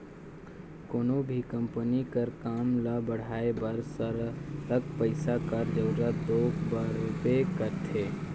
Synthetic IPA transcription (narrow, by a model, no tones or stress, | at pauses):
koːnobʱikɐ̃mpənikɐɾkaːmlabəɽ̤aːebɐɾsəɾləɡpəɪsakɐɾd͡ʒɐʊɾad̪oːkbaːɾupekɐɾt̪ʰeː